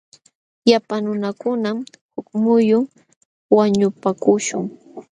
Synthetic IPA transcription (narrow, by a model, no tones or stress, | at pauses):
japanʊnakʊnamhʊkmʊjʊŋ | waɲʊpakʊʃʊŋ